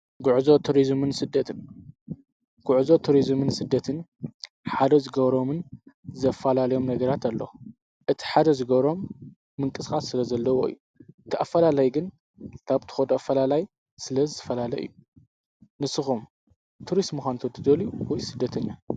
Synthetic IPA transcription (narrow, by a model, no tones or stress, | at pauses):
ɡʊʕzo̞t̪ʰuɾizmɨnsɨd̪ːɐt̪ʰɨn | ɡʊʕzot̪ʰuɾizmɨnsɨd̪ːɐt̪ʰɨn | ħad̪ɐzɨɡɐβɾo̞mɨnzɐfːalalɐjo̞mnɐɡɐɾat̪ʰalːo | ʔɨt̪ʰi̥ħad̪ɐzɨɡɐβɾo̞mː | ɨŋkʼɨsxʼasːɨlɐzɐlːɐwoɨ̰jːu | ʔɨt̪ʰiʔafːɐlalajɡɨn | k̪ʰaβt̪ʰɨ̥xɐd̪oafːɐlalaj | sɨlɐzɨt̪ʰɨfɐlalɐ̰ʔɨ̰jːu | nɨsɨxum | t̪ʰuɾismɨxʷant̪ʰot̪ʰɨd̪ɐluwɔjsɨd̪ːɐt̪ʰɐɲːa